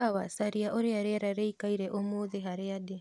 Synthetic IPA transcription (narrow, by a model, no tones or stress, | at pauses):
awasaɾiaʔoɾeaɾeaɾaɾeikaiɾeʔomoːðeɦaɾeade